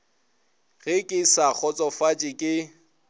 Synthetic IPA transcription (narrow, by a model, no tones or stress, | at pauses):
ɣɪkʼɪsak͡xʰɔt͡sʼɔfat͡ʃʼɪkʼɪ